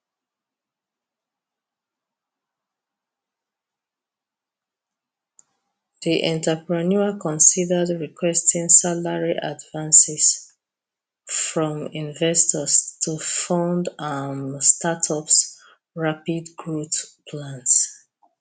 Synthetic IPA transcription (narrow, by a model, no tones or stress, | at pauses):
ðiʔɛ̰̃ntəpɹɛnuəkɔ̃nsidədɹikʰwɛstĩŋsalaɹiʔa̰dvãnsɛs | fɹɔ̃mĩnvɛstʰɔstʰufãʊndamstʰatʰɔps | ɹapidɡɹotpʰlãns